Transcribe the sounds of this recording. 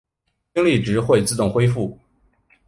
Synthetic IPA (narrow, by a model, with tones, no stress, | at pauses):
t͡ɕi˥ŋli˥˩ʈ͡ʂɻ̩˧˥xwe˥˧ɪt͡sɹ̩˥˧t̪ʊ˥˩ŋxwe˥ɪfu˥˩